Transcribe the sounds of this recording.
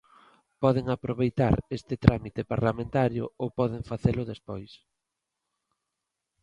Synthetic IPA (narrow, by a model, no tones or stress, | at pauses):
pɔðeŋapɾoβejt̪aɾest̪ɪt̪ɾʔamit̪epaɾlamẽnt̪aɾjʊ̰owpɔðeŋfaθelʊðespojs